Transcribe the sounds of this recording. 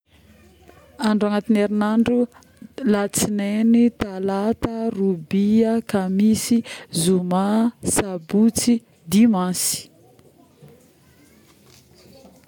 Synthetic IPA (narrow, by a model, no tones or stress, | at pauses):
aɳɖ͡ʐaŋat̪ineɾinaɳɖ͡ʐu | lat͡sinenit̪alat̪ərubiəkamisizumasabut͡si | d̪imasi̥